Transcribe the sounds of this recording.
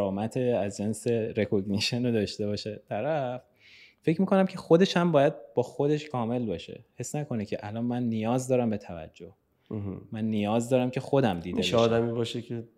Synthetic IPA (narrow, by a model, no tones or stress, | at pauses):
ɾɒːmæt̪ʰeæzd͡ʒenseɾekʰoɡniʃenod̪ɒːʃt̪e̞bɒːʃet̪ʰæɾæf | fe̞cʰmiːkʰonæmcʲʰe̞xo̞d̪e̞ʃæmbɒːjæd̪̚bɒːxod̪e̞ʃkʰɒːme̞lbɒːʃe̞̰he̞sːnækʰo̞necʰeʔælɒːnmænːijɒːzd̪ɒːɾæmbe̞t̪ʰævæ̰d͡ʒːoh | mænːijɒːzd̪ɒːɾæmcʰe̞xo̞d̪æmd̪iːd̪eeɒːd̪æmiːbɒːʃecʰe